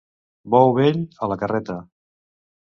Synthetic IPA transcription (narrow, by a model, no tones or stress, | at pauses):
bɔwβeʎələkərɛt̪ə